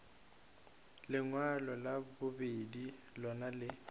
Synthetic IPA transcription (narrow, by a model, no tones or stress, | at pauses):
lɪŋwalɔlabʊbedi | lɔnalɪ